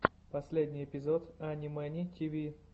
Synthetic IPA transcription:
pɐsʲlʲedʲnʲɪjɪpʲɪzot̪anʲimɛnʲit̪ʰʲivʲi

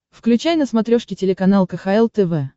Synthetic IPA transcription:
fklʲʉt͡ɕajnəsmɐt̪ɾʲoʂkʲɪtʲɪlʲɪkɐnalˠkəxɐɛlˠt̪ɛvɛ

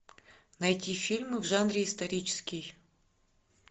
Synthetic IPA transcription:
nɐjtʲifʲilʲmɨvʐanɾʲɪːst̪ɐɾʲit͡ɕɪ̥skʲɪj

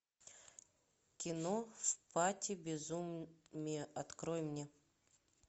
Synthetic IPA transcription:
kʲɪnofpatʲɪbʲɪzumnʲɪjɛʔɐt̪kɾojmnʲe

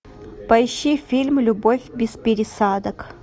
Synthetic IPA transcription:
pɐjʃifʲilʲmlʲubofʲbʲɪspʲɪɾʲɪsad̪ɐk

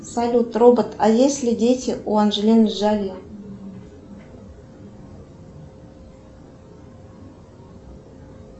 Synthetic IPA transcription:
salʲut̪robə̆t̪ʰajesʲlʲɪdʲetʲɪʔuanʒlʲenʲɪʒavʲij

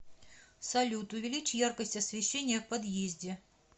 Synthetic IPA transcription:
sɐlʲut̪ʊvʲɪlʲit͡ɕjarkəsʲtʲɐsvʲɪɕːenʲːɪjəfpɐd̪jezʲdʲɪ

